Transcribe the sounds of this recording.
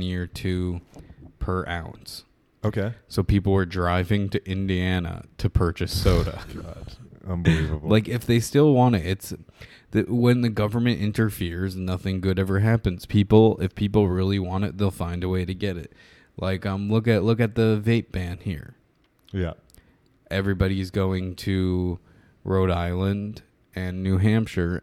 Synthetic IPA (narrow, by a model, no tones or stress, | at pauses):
njɪɹtʰʉ | pʰə˞ʔa̰ʊ̰̃nts | oʊkʰeɪsoʊpʰipl̩ˠə˞dɹaɪvɪ̃ŋtʰɨʔɪ̃ndiænə̰ɾɨpʰɜ˞t͡ʃɨsoʊɾɨ̰ɡ̥ɑd̥ʌ̰̃nbɨlivəbl̩laɪkɨfðeɪstɪlˠwɑ̃ñɪtɨts | ðɨwə̃nðɨɡʌvə˞mɨ̃nʔɪ̰̃ntə˞fɪɹznʌθɪ̃ŋɡʊɾɛvə˞ɦæpɨ̃nz̥pʰipl̩ˠɪfpʰipl̩ˠɹɪlˠiwɑ̃ñɨt̪̚ðeɪlˠfãɪ̃ndəweɪɾɨɡɛɾɪ̰t̚ | lʔa̰ɪkʌ̃mlʊkɨʔlʊkɨt̪̚ðɨveɪp̚b̥æ̃nhḭɹ | jæ̰ | ʔɛvɹibɑɾiɨzɡoʊɪ̃ŋtʰɨ | ɹoʊɾaɪlˠə̃nd | ɨ̃nːʉɦæ̃mpʃə˞